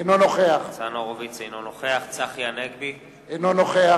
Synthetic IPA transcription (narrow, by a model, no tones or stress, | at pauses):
enonoχeaχt͡sanoʁovit͡sejnonoχeaχt͡saχjanekbi | enonoχea